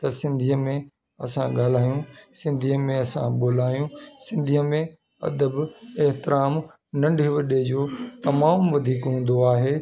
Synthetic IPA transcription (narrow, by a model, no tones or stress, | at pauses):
t̪ɐsɪ̃nd̪ʱiəmẽ | ɐsãɠaːl̤aːjũsɪ̃nd̪ʱiːəmẽɐsã̰ɓoːl̤aːijũsɪ̃nd̪ʱiəmẽ | ɐ̰d̪əbeɦt̪ɪɾaːm | nɐ̃ɳɖʱeʋɐɗed͡ʑoːt̪ɐmaːmʋɐd̪ʱiːkɦũːn̆d̪oaːɦeː